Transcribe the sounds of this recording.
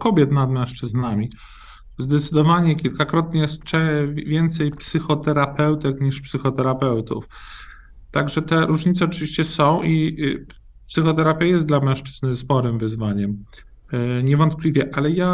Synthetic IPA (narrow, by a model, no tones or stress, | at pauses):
kɔbʲjɛt̪nad̪mɛ̃w̃ʂt͡ʂɘznamʲi | zd̪ɛt̪sɘd̪ɔvaɲɛkʲilkakɾɔt̪ɲɛjɛst͡ʂɛvʲjɛnt̪sɛjpsɘxɔt̪ɛɾapɛwt̪ɛkɲiʂpsɘxɔt̪ɛɾapɛwt̪ṵf | t̪aɡʐɛt̪ɛɾuʐɲit̪sɛɔt͡ʂɘvʲiɕt͡ɕɛsɔ̃w̃ʔi | psɘxɔt̪ɛɾapʲjajɛst̪d̪lamɛ̃w̃ʂt͡ʂɘznɘspɔɾɘmvɘzvaɲɛm | ɲɛvɔnt̪̚plʲivʲjɛʔalɛja